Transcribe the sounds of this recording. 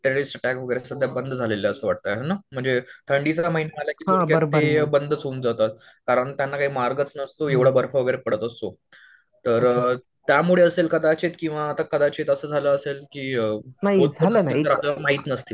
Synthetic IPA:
ʈɾeɾisʈəʈækʋəɡəjɾesəd̪ʱjabənd̪ʱd͡zʱaleləəsəːʋaʈ̚t̪əjɦenam̤əɳd͡zet̪ʰəɳɖit͡saməɦinaalakiːkaõkjaəɾb̪ebənd̪ʱt͡suːnd͡zat̪at̪̚kaɾəɳt̪janːakaɦiːmaɾɡət͡snəst̪oeʋɽ̤abəɾfaʋəɡəjɾepəɽət̪əst̪o | t̪əɾ | t̪jamuɭeəselkəd̪at͡ɕet̪kĩw̃ʋaːt̪akəd̪at͡ɕet̪əsəːd͡zʱaləəselkiːənaiod͡zaət̪əɾaləmaɦiːt̪nəst̪iː

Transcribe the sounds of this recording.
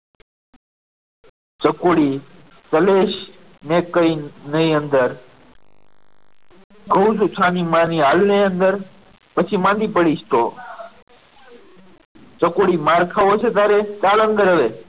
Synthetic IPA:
t͡ʃəkoɽi | t̪əleːʃ | neːkəinəiənd̪əɾ | ɡʱəwsut͡ʃʰaːnimãniaːlneənd̪əɾ | pət͡ʃʰimãːnd̪ipəɽiʃt̪o | t͡ʃəkoɽimaːɾkʰaʋot͡ʃʰet̪̬aːɾet͡ʃaːlənd̪əɾəʋe

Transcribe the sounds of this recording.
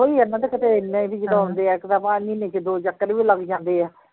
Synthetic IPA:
ɦoːiːənãːd̪ekət̪eːɪnːẽːbiːd͡ʒəd̪õʊ̃nd̪eːɛːkt̪apãːniːnẽt͡ʃd̪oːd͡ʒəkːəɾʋiːləɡd͡ʒãːnd̪eːɛː

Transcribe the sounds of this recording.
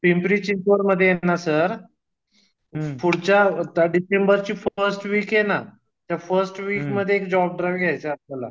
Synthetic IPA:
pimpɾit͡ɕintəɾməd̪ʱːjejenasəɾ | fuɽt͡ɕat̪aɖisembəɾt͡ɕiːfəɾsʈʋiːkjena | t̪jafəɾsʈʋiːkməd̪ʱːjeːkd͡ʑɔb̚ɖɾajʋɡʱjajt͡səaala̰

